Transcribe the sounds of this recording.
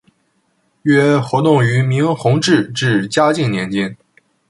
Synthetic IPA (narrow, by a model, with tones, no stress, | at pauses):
ɥɛ˥xwɔ˧˥t̪ʊ˥˩ŋy˧˥mi˧˥ŋxʊ˧˥ŋʈ͡ʂɻ̩˥˧ʈ͡ʂɻ̩˥˩t͡ɕja˥t͡ɕi˥˩ŋnjɛ˧˥nt͡ɕɛ˥n